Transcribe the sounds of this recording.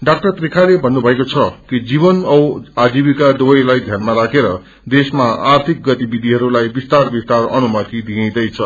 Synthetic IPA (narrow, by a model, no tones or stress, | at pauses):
ɖak̚ʈʌrt̪rikʰalebʱʌnːubʱʌekot͡sʰʌkid͡ziβʌnʌwad͡zibikad̪ubʌjlajd̪ʱjanmaɾakeɾʌ | d̪esmaart̪ʰik̚ɡʌt̪ibid̪ʱiɦʌɾulajbist̪arbist̪arʌnumʌt̪id̪iẽjd̪ʌjt͡sʰʌ